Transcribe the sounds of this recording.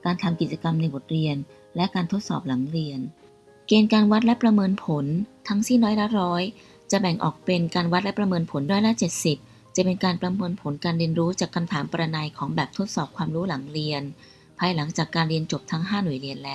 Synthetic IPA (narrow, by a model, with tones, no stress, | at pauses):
kaː˧nt̪ʰa˧mki˨˩t̪̚t͡ɕa˧ka˧mna˧jbo˨˩t̪̚ɾi˧ən | lɛ˦˥kaː˧nt̪ʰo˦˥t̪̚sɔ̰ː˨˩p̚la˩˦ŋɾi˧ən | keː˧nkaː˧nwa˦˥t̪̚lɛ˦˥ʔpɾa˧mɤː˧npʰo˩˦nt̪ʰa˦˥ŋsi˥˩nːɔː˦˥jla˦˥ɾɔː˦˥j | t͡ɕa˨˩bɛ˨˩ŋʔɔ̰ː˨˩k̚pe˧nkaː˧nwa˦˥t̪̚lɛ˦˥pɾa˧mɤː˧npʰo˩˦nɔ˦˥jla˦˥t͡ɕe˨˩t̪̚si˨˩p̚ | t͡ɕa˨˩pe˧nkaː˧npɾa˧mɤː˧npʰo˨˩˦nkaː˧nɾi˧ənɾuː˦˥t͡ɕaː˨˩kʰːa˧mt̪ʰaː˩˦mpa˧ɾa˧na˧jkʰɔː˩˦ŋbɛː˨˩p̚t̪ʰo˦˥t̪̚sɔː˨˩p̚kʰwaː˧mɾuː˦˥la˨˩˦ŋɾi˧ən | pʰaː˧jla˩˦ŋt͡ɕaː˨˩kːaː˧nɾi˧ənt͡ɕo˨˩p̚t̪ʰa˦˥ŋɦaː˥˩nu˨˩əjɾi˧ənlɛː˦˥w